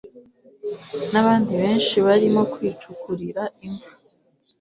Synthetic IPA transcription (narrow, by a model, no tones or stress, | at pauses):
naβaːndiβe̞ːnʃiβaɾimo̞kwiːt͡ʃukuɾiɾaiɱvu̥